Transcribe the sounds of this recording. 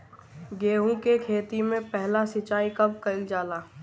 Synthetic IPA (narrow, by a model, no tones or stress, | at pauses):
ɡeːɦũkekʰeːt̪imẽpɛɦlasɪt͡ʃaːikɐbkɐld͡ʒaːlaː